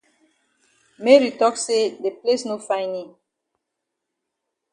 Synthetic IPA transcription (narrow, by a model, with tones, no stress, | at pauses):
me˦ɹi˨tɔ˦kse˦de˨ple˦sno˦fã˦jnĩ˨